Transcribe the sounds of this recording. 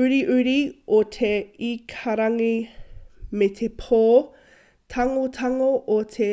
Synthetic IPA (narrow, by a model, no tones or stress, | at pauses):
ʉɾiʔʉɾiotʰeikʰaɾɐŋi | met̪ʰepʰoː | tʰɐŋotʰɐŋoʔotʰe